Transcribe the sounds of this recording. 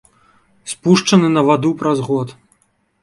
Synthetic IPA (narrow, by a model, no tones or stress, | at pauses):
spuʂt͡ʂɐnɨnɐvad̪upɾɐzɣɔt̪